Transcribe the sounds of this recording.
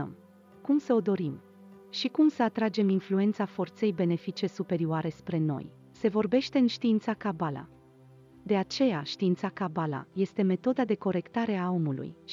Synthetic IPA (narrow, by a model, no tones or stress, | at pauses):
m | kumsəod̪o̞ɾim | ʃikumsəat̪ɾad͡ʒe̞minflue̞nt̪safo̞rt̪se̞jbe̞ne̞fit͡ʃe̞supe̞ɾioaɾe̞spɾe̞no̞̰j | se̞vo̞rbe̞ʃt̪e̞ɨnʃt̪iint̪sakabala̰ | d̪e̞at͡ʃe̞jaʃt̪iint̪sakabala̰je̞st̪e̞me̞t̪o̞d̪ad̪e̞ko̞ɾe̞kt̪aɾe̞ao̞mulṵj